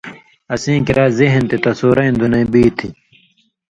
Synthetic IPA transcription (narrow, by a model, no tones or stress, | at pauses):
ɐsĩːkiɾʔaːzeɦnt̪et̪ɐsoːɾɐĩnd̪unɐ̃ĩbiːt̪ʰi